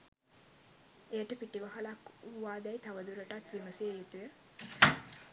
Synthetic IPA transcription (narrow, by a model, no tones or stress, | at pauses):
ejəʈəpiʈiʋaɦalakuʋaːd̪æjt̪aʋəd̪uɾəʈat̪ʋiməseːjut̪ujə